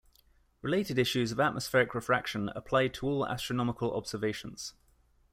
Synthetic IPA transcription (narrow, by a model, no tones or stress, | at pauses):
ɹɪleɪtɪdɪʃʉzəvaʔmʔəsfɛːɹɪkʰɹɪfɹakʃə̃nə̰pʰl̥aɪd̚tʰəɔːla̰stɹ̥ənɒmɪkəlɒ̰bz̥əveɪʃə̃nz̥